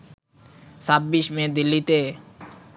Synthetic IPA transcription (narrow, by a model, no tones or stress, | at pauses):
sabiʃmẽd̪ɪlːit̪eː